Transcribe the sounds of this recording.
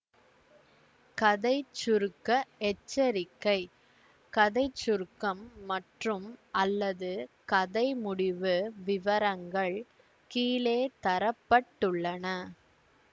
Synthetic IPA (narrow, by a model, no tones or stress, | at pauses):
kɐðɐɪt͡ʃːʊɾkːɐɛt͡ʃːɐɾɪkːɐɪ | kɐðɐɪt͡ʃːʊɾkɐmːɐʈrɯmʔɐlːɐðɯkɐðɐɪmʊɽɪʋɯʋɪʋɐɾɐŋɡɐɭ | kiːleːt̪ɐɾɐpːɐʈːɯɭːɐnɐ